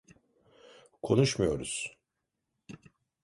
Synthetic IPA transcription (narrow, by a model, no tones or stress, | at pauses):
kʰo̞nuʃmujo̞ɾuz̥